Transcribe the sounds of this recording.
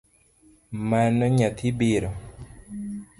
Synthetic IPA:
manɔɲat̪ʰibiɾɔ

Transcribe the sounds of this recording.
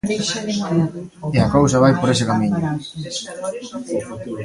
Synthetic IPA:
eakowsaβajpoɾesekamĩɲo

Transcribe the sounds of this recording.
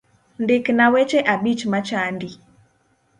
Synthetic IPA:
ndɪknawet͡ʃeʔaɓit͡ʃmat͡ʃandi

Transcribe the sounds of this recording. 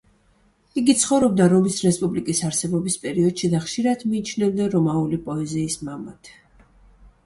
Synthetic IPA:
iɡit̪sʰχɔvɾɔb̚d̪aɾɔmisɾɛspʼublikʼisaɾsɛbɔbispʼɛɾiɔd̪̥ʃid̪aχʃiɾad̪̥miːt͡ʃʰnɛvd̪aɾɔmaulipʼɔɛziːsmamat̪ʰ

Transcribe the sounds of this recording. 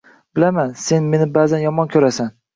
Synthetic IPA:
b̥ɪlamanse̞nme̞nɪbaːzanjɒmɒnkʲʰɵɾasan

